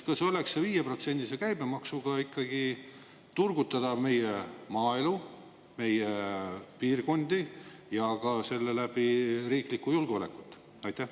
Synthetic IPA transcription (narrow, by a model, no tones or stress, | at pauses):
kɑseo̞le̞kseviːjepro̞t̪se̞nʲd̪̥isekæjb̥e̞mɑksuɡ̥ɑikˑːɑɡ̥i | t̪urɡ̥ut̪ːˑɑd̪̥ɑme̞jemɑːelu | me̞jepiːrɡo̞nd̪̥i | jɑɡɑse̞lːe̞læb̥iɾiːklikːujulɡ̥ole̞̰kːˑut̪ːˑ | ɑjt̪ːæh